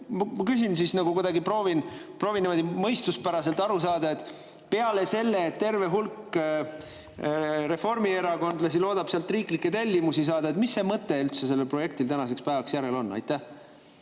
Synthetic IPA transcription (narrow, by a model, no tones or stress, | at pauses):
mmɑkysinsisnɑɡ̥ukud̪ɑɡipro̞ːvinpro̞ːvineɑd̪imɤjst̪uspæɾɑse̞lt̪ˑɑɾusɑːd̪̥ɑe̞t̪ | pe̞ɑle̞se̞lːeːt̪t̪e̞rve̞ɦulkː | ɾe̞fo̞rmieɾɑko̞nd̪lɑsilo̞ːd̪̥ɑb̥seɑlt̪ːˑriːklikːˑet̪elʲːimusis̬ɑːd̪ɑe̞t̪misːe̞mɤt̪ːe̞ylt̪se̞se̞lːe̞lpro̞je̞k̚t̪ilt̪ænɑse̞kspæːvɑksjæɾe̞lo̞nːɑ̰jt̪ːˑæh